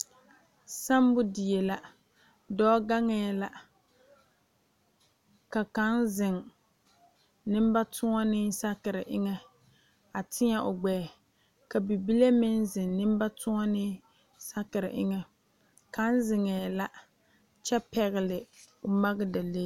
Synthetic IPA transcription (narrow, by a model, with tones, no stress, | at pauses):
sa˦m˦bʊ˦dɪ˨je˨la˦ | dɔː˦ɡa˦ŋɛ˨la˦ | ka˨ka˨˦nzɪ˨ŋ | nɪ˦m˦ba˦tʰʊ˦ŋa˦nɪ˦sa˦kɪ˨ɾɪ˨ʔɪ˦ŋɛ˦ | a˨tʰɪ˦ɲɛ˦ʔʊ˨ɡ͡bɛː˨ | ka˨bi˨bi˦le˦mɪ˦nzɪ˨ŋnɪ˦m˦ba˦tʊ˦ŋɔ˦nɪ˦ | sa˦kɪ˨ɾɪ̰˨ʔɪ˦ŋɛ˦ | ka˨˦nzɪ˨ŋɛ˨la˦ | t͡ʃɛ˦pɛ˨ɣɪ˨lɪ˨ | ʊ˨ma˦ɣɪ˦da˨le˦